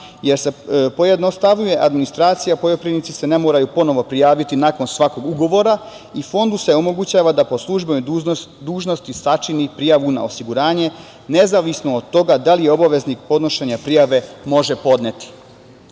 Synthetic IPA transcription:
je̞ɾse̞po̞jed̪no̞st̪aʋɲuje̞ʔad̪minist̪ɾaːt̪sijapo̞jopɾinit̪sise̞ne̞moːɾajupo̞no̞ʋo̞pɾijaːʋit̪inako̞nsʋako̞ɡuɡo̞ʋo̞ɾa | ifo̞nd̪use̞o̞mo̞ɡut͡ɕaːʋad̪apo̞slˠuʒbenod̪uːʒno̞st̪isat͡ʃinipɾijaʋuna̰osiɡuɾaːɲe̞ | ne̞zaʋisnoːd̪̚t̪o̞ɡad̪alijeo̞baʋe̞znik̚po̞d̪no̞ʃe̞ɲapɾijaʋe̞mo̞ʒe̞po̞d̪net̪i̥

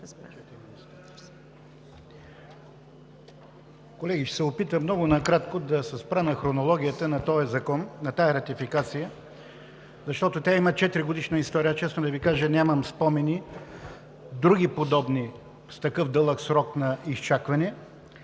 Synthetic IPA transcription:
t̪ɾ | i | kolɛɡiʃsɛopit̪əmnɔɡʊnɐkɾat̪kod̪ɐsɛspɾənɐxɾonolˠɔɡʲijət̪ənɐt̪ɔjɐzɐkɔnːɐt̪ajɐɾɐt̪ifikat̪sijə | zɐʃt̪ɔt̪ot̪ʲaimət͡ʃɛt̪ɾiɡod̪iʃnəist̪ɔɾijət͡ʃɛsnod̪ɐvikaʒənʲaməmspɔmɛni | d̪ɾuɡʲipod̪ɔbni | st̪ɐkɤfd̪ɤlˠəksɾɔknɐist͡ʃakvɐnɛ

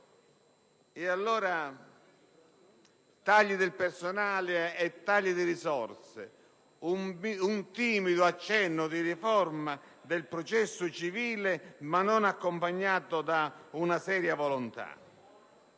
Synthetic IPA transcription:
ɪalːɔːɾa | t̪aʎːid̪ɪlpersʊnaːlɪɛt̪ːaʎːid̪ɪɾisɔrsɪ̰ | umunt̪iːmid̪ʊat͡ʃːɛnːʊd̪irifɔrma | d̪ɪlpɾɔt͡ʃɛsːʊt͡ʃiviːlɪmanːɔnakːʊmpaɲːaːt̪ʊd̪aunasɛːɾjavɔlʊnt̪a̰

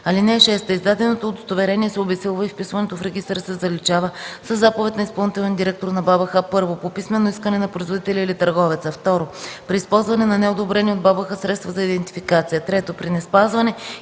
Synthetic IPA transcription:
ɐlinɛːʃɛst̪əizd̪ad̪ɛnot̪oːd̪ost̪ovɛɾɛniɛsɛobɛsɛlˠvəifpisvɐnɛt̪ofɾɛɡ̟ist̪ɾsɛzɐlit͡ʃavəsɐzːapovɛt̪ʲnɐispɐlˠnit̪ɛlʲɛnd̪iɾɛk̚t̪oɾnɐbabɐxəpɤɾvopopismɛnoiskənɛnɐpɾoizvod̪it̪ɛlʲiːlit̪ɐɾɡɔvɛt̪səft̪ɔɾopɾiːspɔlˠzvɐnɛnɐnɛod̪obɾɛniod̪̚babəxəsɾɛt̪st̪vɐzɐid̪ɛnt̪i̥fikat̪sijət̪ɾɛt̪opɾinɛspazvɐnɛ

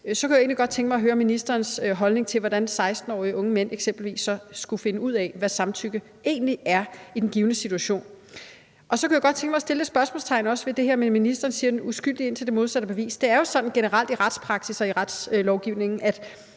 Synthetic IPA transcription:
sɒ̽kʰujae̝ːnliɡ̥ɒ̽d̥̚t͡sʰeŋɡ̥mɑɪɦøːɐminisd̥ɐːnsɦɒ̽lne̝ŋt͡sʰe̝lʋɒɾ̥ænsɑ̈ɪsd̥n̩ɒ̰ːiʔɔ̽ŋəmen̰eɡ̥sem̰b̥l̩ʋḭːsːɒ̽sɡ̥ufe̝nəuð̞̰ˠɛʋæsɑ̈mt͡sʰyɡ̥ə | e̝̰ːnliʔæɐid̥enɡ̥iːʊnəsit͡sʰuæɕo̝̰ːn | ʔɒ̽sɒ̽kʰujaɡɒ̽d̥̚t͡sʰeŋɡəmɑɪsd̥e̝ld̥e̝sb̥ɶɐsmolst͡sʰɑ̈ɪnɒ̽səʋe̝d̥e̝hæɐmenminisd̥ɐːnsiːɐd̥enusɡ̥yl̰d̥ie̝n̰t͡sʰe̝ld̥e̝mo̝ðˠsæd̥əb̥e̝ʋḭːsd̥e̝æɐjo̝sɒ̽d̥n̩ɡ̥enəʁɑ̈l̰d̥iʁad̥spʰʁɑ̈ɡ̥sisɒ̽iʁɑd̥slɒʊɡ̥iʊ̰ne̝ŋn̩ʔæd̥

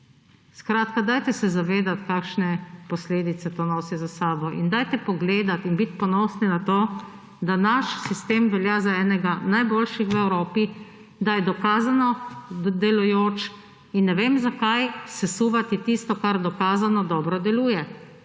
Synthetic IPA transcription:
skɾaːt̪kad̪aːjt̪ɛsɛzaʋeːd̪at̪kaːkʃnɛpɔsleːd̪it̪sɛt̪oːnoːsizasaːbɔʔḭnd̪aːjt̪ɛpɔɡleːd̪at̪inbit̪pɔnɔːsninat̪oː | d̪anaʃsist̪eːmʋɛljaːzaɛːnɛɡanajboːlʃixʋɛwɾoːpi | d̪ajɛd̪ɔkaːzanɔd̪ɛlujoːt͡ʃ | inːɛʋeːmzakajsɛsuːʋat̪it̪ist̪ɔkaɾd̪ɔkaːzanɔd̪ɔːbɾɔd̪ɛluːjɛ

